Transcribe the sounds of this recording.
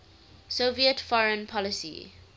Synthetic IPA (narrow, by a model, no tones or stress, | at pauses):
soviətfɔɹə̃npʰɔlɪsḭ